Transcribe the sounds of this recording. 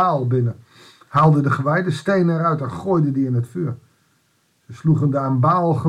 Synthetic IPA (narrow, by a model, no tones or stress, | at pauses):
aːlˠbɪnə | haːlˠdədəχəʋɛjdəstejnəɛɾœɥtɛnχojdədiɪnɦətfyːɹ | səsluχəndəanbaːlˠχə